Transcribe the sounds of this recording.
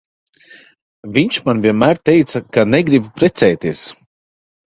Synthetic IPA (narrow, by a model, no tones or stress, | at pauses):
vʲiɲʲt͡ʃmanvʲiɛnmæːɾt̪ɛjt̪sakanɛɡɾibpɾɛt̪sɛjt̪iɛs